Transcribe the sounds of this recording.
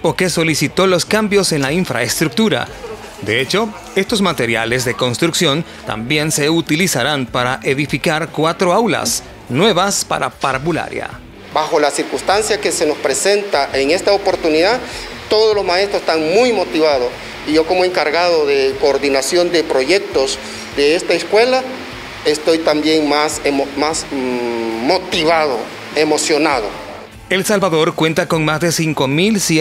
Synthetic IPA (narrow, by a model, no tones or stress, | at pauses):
po̞ke̞so̞lisit̪o̞lo̞skambjo̞se̞nlaiɱfɾa̰est̪ɾuk̚t̪uɾa̰ | d̪e̞et͡ʃo̞ | e̞st̪o̞zmat̪e̞ɾja̰le̞zðe̞ko̞nst̪ɾuksjo̞nt̪a̰mbje̞nse̞ut̪ilisaɾanpaɾaʔeðifikaɾkwat̪ɾo̞awla̰s | nwe̞βaspa̰ɾa̰paɾβula̰ɾja̰ | baxo̞lasiɾkust̪ansjakese̞no̞spɾese̞nt̪aʔeŋe̞st̪aopo̞ɾt̪uniðat̪o̞ðolo̞zmaest̪ɾose̥t̪aŋmujmo̞t̪iβaðos | iʝo̞ko̞moe̞ŋkaɾɣaðoðe̞koːɾðinasjo̞nd̪epɾo̞ʝe̞k̚t̪oz | d̪eest̪aeskwe̞la | est̪o̞jt̪ambje̞ŋmasmas | mot̪iβaðo̰ | emo̞sjo̞naðo̰ | e̞lsalβaðo̞ɾkwe̞nt̪ako̞ŋmazðe̞siŋko̞mils